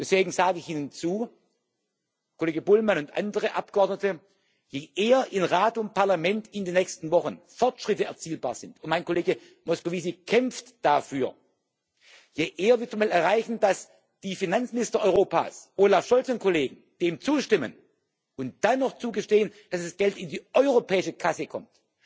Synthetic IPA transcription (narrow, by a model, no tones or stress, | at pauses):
d̥ɛsv̥eːɡŋ̩zaːɡəɪçʔiːnənt͡suː | kʰoleːɡəbʊlmanʊntʔa̰ndəʁəʔap̚ɡ̥əʔɔɐdnətə | jeːʔeːɐʔɪnʁaːtʊnt̚paɐlamɛntɪndeːnːɛçstn̩vɔχən̩fɔɐtʃʁ̥ɪtəɛɐt͡siːlbaːɐzɪntʊntmaɪnkoleːɡə | mɔskoviːzikʰɛmftd̥afyːɐ | jeːʔeːɐvɪɐtsumalɛɐʁaɪçn̩d̥as | d̥iːfinant͡smɪnɪstɐʔɔʏʁoːpa̰ːsʔoːlafʃɔlt͡sənkʰoleːɡŋ̩d̥eːmt͡suːʃtɪmə̰n | ʊnt̚d̥anːɔχt͡suːɡəʃteːənd̥asasɡ̥ɛltɪndiːʔɔʏʁopʰɛːɪʃəkʰasəkʰɔ̰mt